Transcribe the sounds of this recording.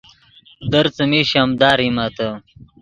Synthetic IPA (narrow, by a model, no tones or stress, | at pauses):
d̪əɾt͡səmiɕamd̪aːɾimat̪ə